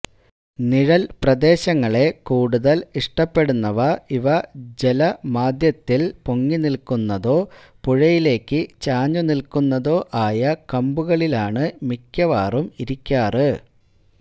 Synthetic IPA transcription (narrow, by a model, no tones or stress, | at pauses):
niɻɐlprɐd̪e̞ːɕɐŋːɐɭe̞kuːɽuðɐliʂʈɐpːe̞ɽunːɐʋɐiʋɐd͡ʑelɐmaːd̪jɐt̪ːilpoŋːinilkunːɐðo̞ː | puɻɐjile̞ːkːɨt͡ɕaːɲːunilkunːɐðo̞ːʔaːjɐkɐmbuɣɐɭilaːɳɨmikʲːɐʋaːrumiɾikʲːaːrɨ